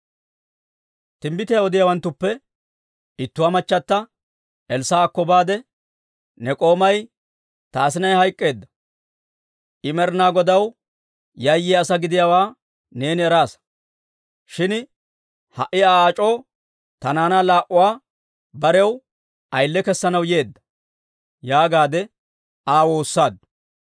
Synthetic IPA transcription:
t̪ɪmbɪt̪ɛjɐɔd̪ɪjawɐnt̪ːʊpːɛ | ɪt̪ːʊwaːmɐt͡ʃːɐt̪ːɐ | ɛlsaːkːɔbaːd̪ɛ | nɛkʼo̞ːmɐj | t̪aːsɪnɐjhɐjkʼːe̞ːd̪ːɐ̥ | ʔɪmɛɾnaːɡɔd̪ɐw | jɐjːɪɐsɐɡɪd̪ɪjawaː | ne̞ːnɪɛɾaːs | ʃɪn | hɐʔːɪaaːt͡ʃʼo̞ː | t̪ɐnaːnalaːʔʊwaː | bɐɾɛw | ʔɐjlːɛkɛsːɐnɐwje̞ːd̪ːɐ̥ | jaːɡaːd̪ɛ | aːwoːsːaːd̪

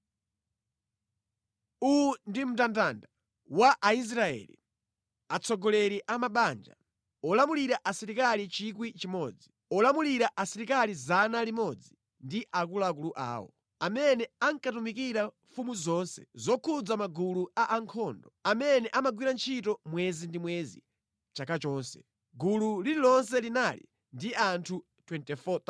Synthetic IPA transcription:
undim̩tantanda | waʔais̬ɾaɛ̰lḭ | at͡sʰɔɡɔlɛɾiʔamaɓand͡ʒa̰ | ɔlamuliɾaʔasɛɾikalit͡ʃik̬wit͡ʃimɔːd͡zi | ɔlamuliɾaʔasɛɾikalizanalimɔd͡zi | ndiʔak̬ulak̬uluʔa̰ːwɔ̰ | amɛnɛaŋkatumik̬iɾaɱfumuzɔːnsɛ̥̰zɔkʰud͡zamaɡuluaʔaŋkʰɔndɔamɛnɛʔamaɡwiɾant͡ʃʰitɔmwɛzindimwɛzḭ | t͡ʃakat͡ʃɔːnsɛ | ɡululiɾilɔns̬ɛlinalḭ | ndiantʰu | tʰwɛntɛfɔt̪

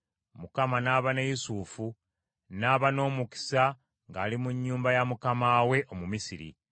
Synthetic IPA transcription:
mukamanaːβanajusuːfu | naːβano̞ːmuki̥sa | ŋɡaːlimuɲːuːmbajamukamaːwe̞ʔo̞mumisiɾḭ

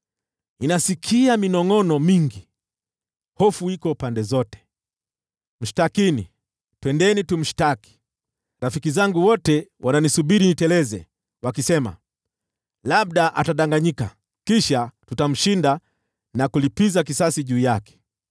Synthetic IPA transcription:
inasikʰiaminɔŋɔnɔmiŋɡi | hɔfuikɔpandɛzɔtɛ̥ | m̩ʃi̥takinḭ | twɛndɛnitum̩ʃi̥taki̥ | ɾafikizaŋɡuwɔtɛwʔananisuɓiɾinitɛlɛzɛ̰ | wakisɛma̰ | laɓ̚ɗaʔa̰taɗaŋɡaɲika̰ | kiʃatutam̩ʃinda | nakulipizakisasiʄuːjakɛ̥

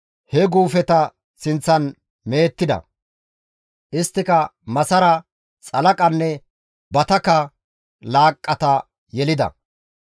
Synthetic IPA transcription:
hɛɡuːfɛt̪ɐ | sɪnt͡sːɐn | me̞ːt̪ːɪd̪ɐ̰ | ʔɪst̪ːɪkɐmɐsɐɾɐ | t͡sʼɐlɐkʼɐnːɛ | bɐt̪ɐkːɐ | laːkʼːɐt̪ɐ | jɛlɪd̪ɐ̰

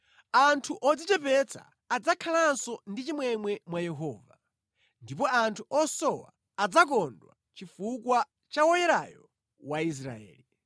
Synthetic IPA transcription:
antʰuʔɔd͡zit͡ʃɛpɛt͡sʰa̰ːd͡zakʰalansɔndit͡ʃimwɛmwɛmwajɛɦɔːva | ndip̬ɔantʰuɔsɔwa̰ː | d͡zak̬ɔndwa̰ | t͡ʃifukwa | t͡ʃawɔjɛɾa̰jɔ | wais̬ɾa̰ɛ̰ːli

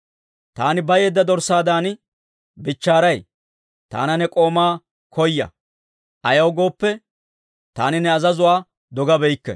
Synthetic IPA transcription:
t̪aːnɪbɐjeːd̪ːɐd̪ɔɾsaːd̪aːn | bɪt͡ʃːaːɾɐj | t̪a̰ːnɐnɛkʼo̞ːmaː | kʰɔjːɐ̰ | ʔɐjɐwɡo̞ːpːɛ | t̪aːnɪnɛɐzɐzʊwaː | d̪ɔɡɐbɛjkːɛ̰

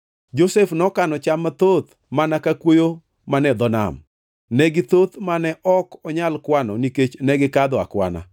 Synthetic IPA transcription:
d͡ʒosefnɔkanɔt͡ʃamat̪ot̪ | manakakwojo | manɛd̪ɔna̰m | nɛɡɪt̪ot̪manɛʔɔkɔɲalkwanɔniket͡ʃnɛɡɪkad̪ɔa̰kwa̰na̰

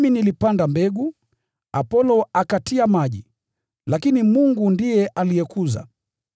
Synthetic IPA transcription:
minilipandambɛɡu | apɔlɔakatiamaʄi | lakinimuŋɡundijɛʔalijɛkuza̰

